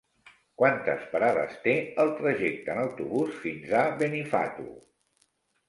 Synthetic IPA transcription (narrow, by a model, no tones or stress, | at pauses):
kwant̪ə̰spəɾaðə̰st̪eəlˠt̪ɾəʒek̚t̪əːnəwt̪uβusfinzaβenifa̰t̪ṵ